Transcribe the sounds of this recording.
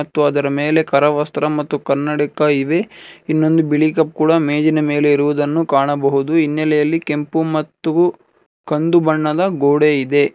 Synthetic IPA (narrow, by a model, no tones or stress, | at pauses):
ɐt̪ːuɐd̪ɐɾɐmeːle̞kɐɾɐʋɐst̪ɾɐmɐt̪ːukɐɾnːɐɽikɐiʋe̞inːo̞nd̪ubiɭikɐp̚kuːɽɐmeːd͡ʒinɐme̞ːle̞iɾuʋud̪ɐnːukaːɳɐbɐɦud̪uinːɛlɛjɐlːike̞mpumɐt̪ːu | kɐnd̪ubɐɳːɐd̪ɐɡoːɽeid̪e̞